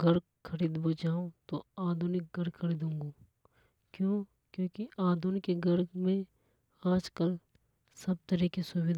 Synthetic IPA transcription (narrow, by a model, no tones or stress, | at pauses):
ɡəɾ | kʰɐɾiːd̪bod͡ʒaːõt̪oaːd̪ʱʊnɪk̚ɡəɾkʰəɾiːd̪ũːŋɡoː | kjõː | kjõːkiʔaːd̪ʱʊnkeɡəɾmẽ | aːd͡ʒkəl | sɐb̚t̪əɾiːkesʊwɪd̪